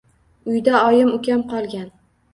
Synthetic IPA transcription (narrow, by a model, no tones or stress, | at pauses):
ʊjd̪aɒjɪmʊkʲamqʰɒlˠɡʲan